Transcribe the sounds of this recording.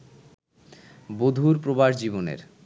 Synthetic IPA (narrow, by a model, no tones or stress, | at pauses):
bod̪ʱuɾpɾobaɾd͡ʑiβonḛɾ